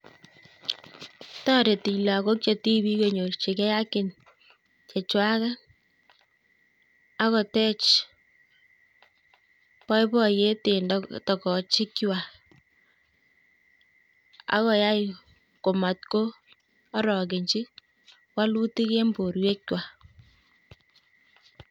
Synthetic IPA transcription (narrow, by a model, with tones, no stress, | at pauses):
tɔ˦ɾe˨ti˨la˨ko˦k̚t͡ʃe˨ti˦bi˦ko˨ɲo˨ɾt͡ʃe˨kɛ˦ja˦kɪ˨n | t͡ʃe˨t͡ʃwa˦ka˦ | a˦kɔ˨tɛ˦t͡ʃ | pɔ˦jpɔ˦je˦te˨ndtɔ˨kɔ˨t͡ʃɪ˦kwa˨ | a̰˦kɔ˨ja˦j | ko˨ma˨t̪̚koː˦ | ɾɔ˨kɪ˨ɲt͡ʃi˦ | wa˦lu˦ti˦ke˦mbo˨ɾwe˦kwa˨